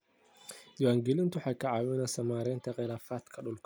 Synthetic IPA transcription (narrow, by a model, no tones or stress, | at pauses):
d̪ɐwaːŋɡɛlɪnt̪ʰʊħɑkʰɐʕɑwɛnɐsɐmaːɾɛːnt̪ʰɐqɪlaːfaːd̪kʰɐɗʊlkʰɐ